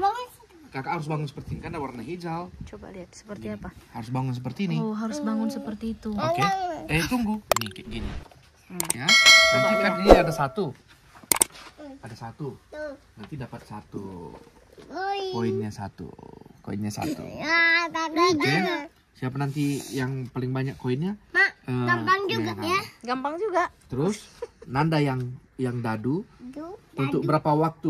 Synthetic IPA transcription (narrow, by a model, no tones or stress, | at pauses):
ba | kakahaɾʊs̬baŋʊnsəpərt̪inikandawarnaɦid͡ʒalt͡ʃbat̪sə̥pərɡiapahaɾʊs̬baŋʊnsəpərt̪iːnioɦaɾʊsbaŋʊnsəpərt̪iːt̪uokeɛit̪uŋɡuniɡinḭ | janant̪ikaniniadasat̪u | adasat̪u | nant̪idapat̪̚sat̪ṵ | koɪnɲasa̰t̪ṵko̰inɲasa̰t̪ṵt̪ake | siapanant̪ijaŋpalɪŋbaɲakːoɪnɲamaəamaŋuɡaŋaɡampaŋd͡ʒuɡaʔt̪əɾʊsnandajaŋjaŋdadu | unt̪ʊk̚bəɾapawak̚t̪u